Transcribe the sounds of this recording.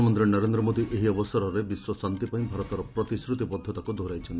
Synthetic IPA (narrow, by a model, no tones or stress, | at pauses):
mɔnd̪ɾinɔɾend̪ɾɔmod̪iʔeɦiɔbɔsɔɾɔɾebiswɔsant̪ipaĩbʱaɾɔt̪ɔɾɔpɾɔt̪isɾut̪ibɔd̪ʱːɔt̪akud̪ʱoɾajt͡ʃʰɔnt̪i